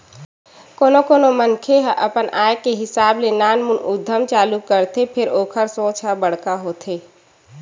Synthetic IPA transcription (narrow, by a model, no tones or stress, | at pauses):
koːnokoːnomənkʰeɦəʔəpənaːjkeɦɪsaːblenaːnmunʊd̪ʱːəmt͡ʃaːlukəɾt̪ʰepʰɪɾoːkʰəɾsõːt͡ʃəbəɽ̤kaɦoːt̪ʰeː